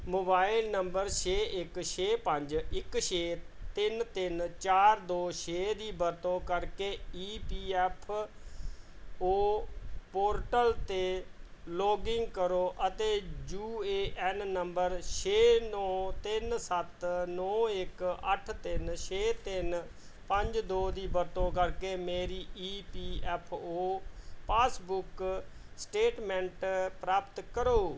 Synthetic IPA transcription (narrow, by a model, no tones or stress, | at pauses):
moːbaːɪlnəmbəɾʃeːɪkʃeːpəɲd͡ʒɪkʃeːt̪ɪnt̪ɪnt͡ʃaːɾd̪oːʃeːd̪iːbəɾt̪õːkəɾkeːiːpiːɛːpʰ | oːpoːɾʈəlt̪eːloːɡɪŋɡkəɾoːʔət̪eːd͡ʒuːeːʔɛnnəmbəɾʃʰeːnɔ̃ːt̪ɪnsət̪nɔ̃ːɪkəʈʰt̪ɪnʃʰeːt̪ɪn | pəɲd͡ʒd̪oːd̪iːbəɾt̪õːkəɾkeːmeːɾiːʔiːpiːɛːpʰoːpaːsbʊksʈeːʈmɛ̃ɳʈpɾaːpt̪kəɾoː